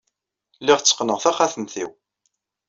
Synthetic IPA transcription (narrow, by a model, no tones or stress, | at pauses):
lːiʁt͡sːə̥qnəʁθæχaθənθḭw